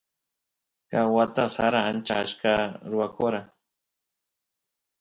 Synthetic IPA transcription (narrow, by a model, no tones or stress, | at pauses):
kawat̪asaɾaant͡ʃaaʃkaɾʊwakoɾa